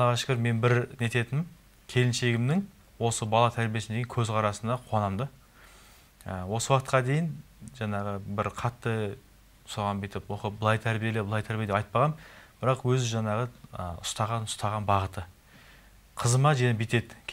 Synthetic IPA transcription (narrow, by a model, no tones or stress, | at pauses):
ɑʁɑʃɪ̥kʲɪɾme̞nbɪɾne̞t̪e̞t̪ɪnɪm | kʲʰe̞lɪnʃe̞ɡʲɪmd̪ɪŋ | wo̞səbɑlˠɑt̪ʰæɾbijesɪd̪eɡeŋkʲʰɵzqʰɑɾɑsənd̪ɑqʰʊɑnɑmd̪ə | əwo̞səwɑqət̪̚qɑd̪e̞jɪn | ʒɑɴɑʁəbɪɾqʰɑt̪ːə | soʁɑnbet̪ɪpwoqəbəlˠɑjt̪ʰæɾbijelebəlˠɑjt̪ʰæɾbijed̪eɑjt̪̚pɑʁɑnb̥ɪɾɑqwɵzɪʒɑɴɑʁəə̰ʊ̰st̪ɑʁɑnʊ̥st̪ɑʁɑnbɑʁət̪ə | qʰəzəmɑʒænebet̪e̞d̪ɪ